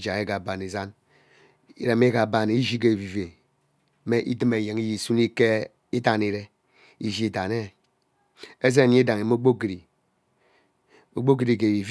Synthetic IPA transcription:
d͡ʒa˨ɣe˦ɡa˨ba˨ni˨za˦n | i˨ɾe˨m˦e˦ɡa˨ba˨n˦i˦d͡ʒi˦k̬e˨vi˨ve˨ | me˦ʔḭ˦di˦me˨je˨ŋi˦ji˨su˦ni˦ke˦ | i˦ta˦˨ni˦˨ɾe˦ | i˦ʒi˦i˦ta˨ne˦ | e˦ze˦˨ɲ˦i˦da˨ŋe˨mo˦ɡ͡bo˦ki˨ɾi˨ | o˨ɡ͡bo˦ɡi˨ɾi˨k̬e˨i˨v

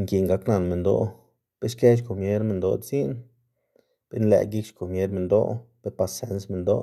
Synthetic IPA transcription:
ŋki˨ŋɡa˧kna˧˨nme˨nd̪o̰˧ | b̥e˦ʃke˦ʃ̬ko˨mje˦ɾme˧nd̪o˧t͡si˦n | b̥e˦nlḛ˨ɡi˦kt͡ʃko˨mje˦ɾme˧nd̪o̰˦pe˦pa˧se˦nsme˧nd̪o̰˦

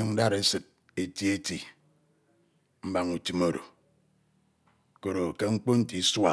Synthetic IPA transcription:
ɨ˦ŋ̩˦da˦ɾe˦sɨ˨t̚ | e˨ti˦e˦ti˨ | m̩˦ba˨ŋu˨ti˦mo˦ɾo̰˨ | ko˨ɾo˨ke˦ŋ͡m̩˦k͡po˦n̩˦ti˨˦swa˨

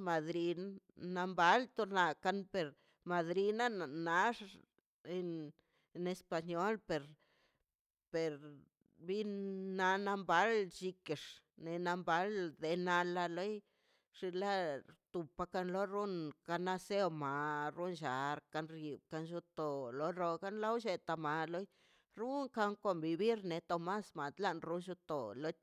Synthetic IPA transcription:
ma˨d̪ɾi˧na˧mba˨˦lt̪o˧na˧ka˧npe˨ɾ | ma˨d̪ɾi˧na˦˨na˦ʂ | e˧ | ne˧spa˧ɲo˦lpe˨ɾ | pe˨ɾ | bi˦nna˧na˧mba˨˦lt͡ʃi˧ke˨ʂ | ne˧na˧mba˨˦ld̪e˨na˧la˧lo˦j | ʂi˧la˦t̪u˨pːa˧ka˧nlo˦ɾu˦nka˧na˦se˦wma˨ɾu˦nʃa˨ɾka˧nɾi˨b̚ka˧nʃu˧t̪o˨lo˦ɾo˧ka˦nla˦wʃe˧t̪a˨ma˨lo˦j | ɾu˦ŋka˧ŋko˨mbi˧bi˦ɾne˨˧t̪o˨ma˦sma˨d̪la˦ʔnɾu˦nʃu˧t̪o˨lo˦

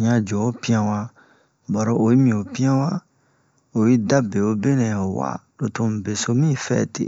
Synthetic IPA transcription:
ɲã˧d͡ʒo˨o˦pi˦ã˧wa˦˧ | ba˨ɾo˦˨o˨ji˦mĩ˨o˨pĩ˦ã˦wa˦ | o˨ji˦da˦be˨o˦be˦nɛ̃˨o˨wa̰˦˨lo˨to˧m̩˨be˨so˧mĩ˦˨fɛ̰ː˦˨tḛ˨

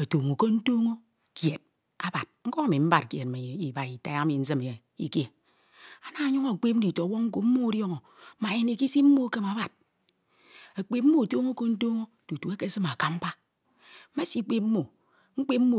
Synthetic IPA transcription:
a˨to˨ŋo˨ko˦n̩˦to˦ŋo˦ | kje˨t̚ | a˨ba˨t̚ŋ̩˦ko˦a˦˨mi˨m̩˦ba˨tke˨t̚me˨i˨ba˨i˨ta˦a˦mi˨n̩˦zɨ˦me˨ | ḭ˨ke˨ | a˨na˦a˨˦ɲu˦ŋo˦˨k͡pe˦p̚n̩˦i˨to˨˦wo˦ŋ̩˦k̬o˨m̩˦mo˦ɾjo˦ŋo˨˦ | ma˨e˨ne˨ki˦si˦m̩˦mo˦˨˦ke˦ma˨˦ba˨t̚ | a˨k͡pe˨p̚m̩˦o˦˨to˦ŋo˦ko˦n̩˦to˦ŋo˦˨tu˨tu˨e˦ke˦sɨ˦ma˨ka˦m̩˦pa˦ | ma˦si˦k͡pe˦p̚m̩ː˦o˨ | ŋ͡m̩˦k͡pe˦p̚m̩˦mo˦˨

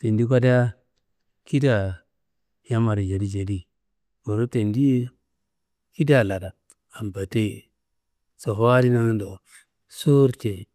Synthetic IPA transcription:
te˨ndi˦k̬ʷa˦da˦ | ki˦da˨ | ja˦ma˨ɾi˨d͡ʒa˨di˦d͡ʒa˨di˦ | bo˨ɾu˦te˨ndi˦ | ki˦da˨la˨da˨ | a˨m˨ba˨te˦i˨ | so˨ɦa˦di˦na˦ŋ˦ndo˨ | so˦ɾte˨

